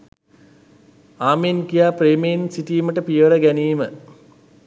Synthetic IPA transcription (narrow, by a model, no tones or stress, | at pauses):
aːmenkijaːpreːmeinsiʈiːməʈəpijʋəɾəɡæniːmə